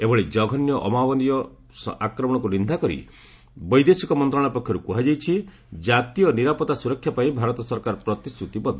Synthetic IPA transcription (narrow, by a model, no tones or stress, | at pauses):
ebɔɭed͡ʒɔɡʱɔnjɔʔɔmawɔnijɔ | sakɾɔmɔɽ̃ɔkunind̪ʱakɔɾḭ | bɔjd̪esikɔmɔnt̪ɾaɭ̃apɔkʰjɔɾukuɦad͡ʒajt͡ʃʰi | d͡ʒat̪ijɔniɾapɔt̪asuɾɔkʰːjapaĩbʱaɾɔt̪ɔsɔɾkaɾɔpɾɔt̪ist̪ɾut̪ibɔd̪ʱɔ